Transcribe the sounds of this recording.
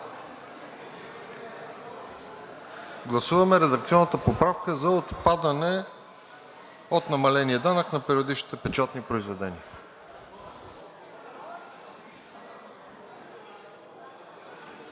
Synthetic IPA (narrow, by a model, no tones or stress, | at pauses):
ɡlˠɐsuvəmɛɾɛd̪ɐkt̪siɔnːət̪əpopɾafkəzɐot̪pad̪ənɛ | ot̪nɐmɐlɛniəd̪anəknɐpɛɾiod̪it͡ʃʃni̥t̪ɛpɛt͡ʃat̪nipɾoizvɛd̪ɛnḭə